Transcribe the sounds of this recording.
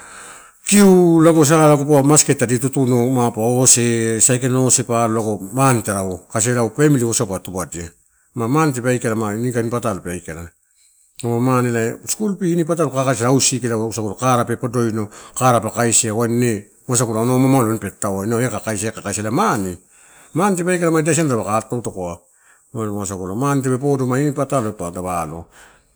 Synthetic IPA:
kiulaɡos̬alakupoamasketːaditutunomapaose̞sajkenosepaɾolaɡo̞manteɾaokas̬eɾawpamiliosawpatubadia | mamanit̬epeajkeɾamainikanipatalupeajkeɾa | omanilaeskulpiːnipat̬alokakajs̬aɾaawsikeɾausakuɾokaɾapepado̞jnokaɾapakajsiawane | as̬akuɾaonomamaloenpetawanoekakajs̬aekakajsalamani | manit̬epajkalamadias̬ianadaβakatowtokoa | monmas̬akuɾamanit̬epep̬odomainipataloetoadaβalo̰

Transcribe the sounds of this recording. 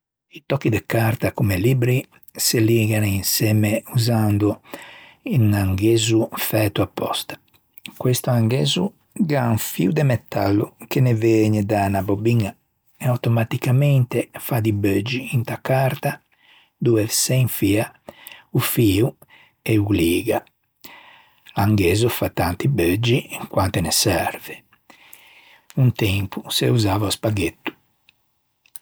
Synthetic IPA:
it̪ɔkːid̪ekaɾt̪akomelibɾi | seliɡaninsɛːmeuzand̪u | inaŋɡeːzufɛːt̪uapːɔ̰st̪ḁ | kwest̪uaŋɡeːzu | ɡanfḭud̪emɛt̪ːalːukeneveɲid̪anabobiŋa | ɛawt̪ɔmat̪ikamɛnt̪efad̪ibød͡ʒːiːnt̪akaɾt̪a | d̪uɛsɛɱfiaufiːu | ɛuliːɡa | laŋɡeːzufat̪ːant̪ibød͡ʒːiiŋkwant̪ɛnɛsɛɾvɛ | unt̪ɛmpuseuzaːvauspaɡet̪ːu̥

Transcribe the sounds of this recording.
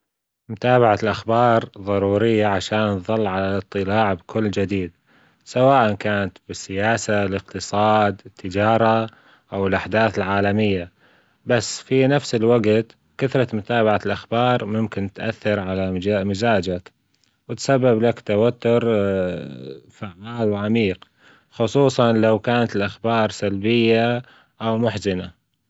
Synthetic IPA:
mʊt̪aːbaʕalʔaxbɑːɾˤðˤɑɾˤuːɾɪjːaʕaʃaːnðˤɑlːʕalaɨt̪ˤːɨlaːʕbkʰʊlːd͡ʒɪd̪iːd̪ | sawaːʔankaːnat̪bɪsːɪjaːsalɪqt̪ɨsˤɑːd̪ɪt̪ːɪd͡ʒɑːɾˤɑ | ʔawɪlʔaħd̪aːθɪlʕaːlamɪjːa | basːfinafsɪlwaɡt̪ | kaθɾˤɑmʊt̪aːbaʕalʔaxbɑːɾˤmʊmkɪnt̪ʔa̰θːɑɾʕalaamɪzaːd͡ʒak | wɪt̪sabːablakt̪awat̪ːʊɾ | faʕːaːlwʕamiːq | xʊsˤuːsˤɑnlawkaːnat̪ɪlʔaxbɑːɾˤsalbɪjːa | ʔawmʊħzɪna

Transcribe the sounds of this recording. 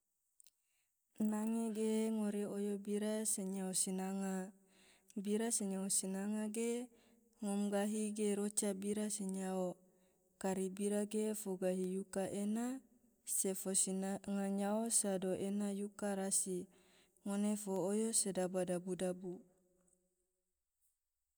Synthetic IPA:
naŋeɡeŋoɾeojobiɾaseɲaosinaŋa | biɾaseɲaosinaŋaɡe | ŋɔmɡaɦiɡeɾot͡ʃabiɾaseɲao | kaɾibiɾaɡefoɡaɦijukaʔena | sefosiŋaɲaosadoʔenajukaɾasi | ŋonefoːjosedabadabudabu

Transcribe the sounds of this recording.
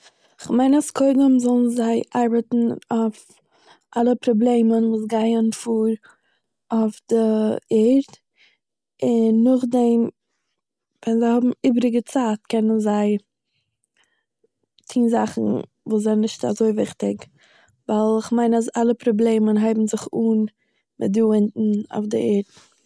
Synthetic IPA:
ɪχmaɪnaskʰoɪdəmzɔlˠnzaɪʔaɾbətn̩af | ʔalˠəpɾɔblˠeɪmənvuːs̬ɡaɪənfuːɾ | ofdəɛɾt | ɪnːʊχdɛm | vɛnzaɪhɔbm̩iːbɾɪɡət͡saːtkɛnənzaɪ | t͡siːnzaχn̩ | vuːszanɪʃta̰zoɪvɪχtɪk | vaɪlˠɪχmaɪnasalˠəpɾɔblˠeɪmənɦaɪbm̩zɪχuːn | mɪ̰t̚duːɪntn̩a̰ʊfdɪɛːɾt

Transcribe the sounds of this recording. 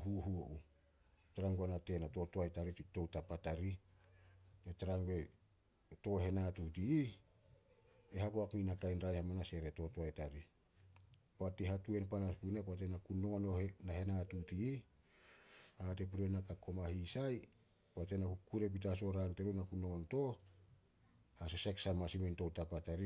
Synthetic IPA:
huɦuoʔu | taɾaŋɡanate̞nato̞toajtaɾito̞wtapataɾi | etaɾaŋɡe̞ | to̞ɦe̞natutii | ehapoakninakajnɾajhamanase̞ɾe̞to̞toajtaɾi | poateɦatue̞npanaspunapoat̬enakuno̞ŋononahe̞natutiː | at̬ep̬uɾenakako̞mahisaj | poatenakukuɾe̞p̬it̬aso̞ɾaŋte̞ɾunakuno̞ŋonto̞ | has̬eseksamasiminto̞wtapataɾi

